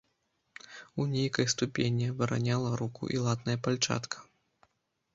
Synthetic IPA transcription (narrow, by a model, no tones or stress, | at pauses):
unʲejkɐjst̪upʲenʲivɨɾa̰nʲalˠɐɾukṵʔḭlˠat̪nɐjɐpalʲt͡ʂa̰t̪kʰɐ̥